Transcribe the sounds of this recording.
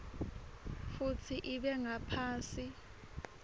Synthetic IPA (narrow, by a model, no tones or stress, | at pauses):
fut͡sʰiʔiɓɛŋapʰaːsi